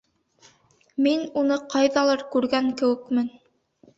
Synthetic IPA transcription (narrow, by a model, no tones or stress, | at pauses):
minunɤqɑjðɑlˠɑɾkʉɾɡæŋkɘ̆wɘ̆kmɘn